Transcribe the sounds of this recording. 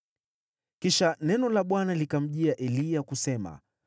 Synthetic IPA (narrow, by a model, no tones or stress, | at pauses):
kiʃanɛnɔlaɓwanalikam̩ʄiaʔɛliakusɛma̰